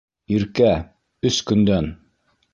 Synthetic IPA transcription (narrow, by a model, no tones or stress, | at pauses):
iɾkæ | ɵskɵ̆nd̪æn